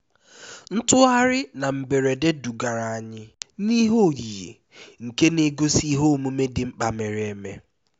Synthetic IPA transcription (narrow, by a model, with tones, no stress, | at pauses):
n̩˦tʊ˦a˦ɾɪ˦na˨m̩˨be˨ɾe˨de˦du˨ɡa˨ɾa˨a˨ɲɪ˦ni˦ɦo˦˨ɾi˨jḛ˨ | ŋ̩˨ke˦ne˦ɡo˦si˦ɦo˦o˨mu˦me˦dɪ˨ŋ͡m̩˦k͡pa˨me˨ɾe˨me˦